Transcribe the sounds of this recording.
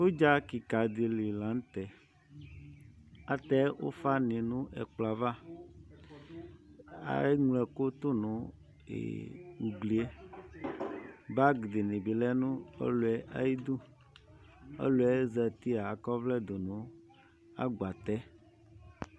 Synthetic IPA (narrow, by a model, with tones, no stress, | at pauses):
wo˦d͡ʒa˦ki˨ka˨d̪e˨li˨lã˨n˦t̪ɛ˨ | a˨t̪ɛ˦wo̰˦fa˦nẽ˨nũ˦ʔɛ̰˨k͡pla˨va˦ | a̰˦ŋlɛ˨ko˦t̪o˦nũ˨ | ḛ˨wu˨ɡli˨e˦ | ba˦ɡd̪e˨nẽ˨bi˨lɛ˦nũ˦ḛ˦lo˨ɛ˦ʔa̰˦ji˦d̪u˦ | ḛ˦lo˨˦ɛ˦zɛ˨t̪i˦a˨kɔ˦vlɛ˦d̪o˨nũ˨˦ | a̰˦ɡ͡ba˨t̪ɛ˦